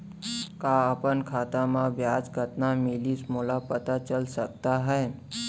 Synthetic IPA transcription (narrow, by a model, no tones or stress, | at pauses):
kaəpənkʰat̪amãʋjad͡ʒɡʱət̪namilismolapət̪at͡ʃəlsək̚t̪aɦɛ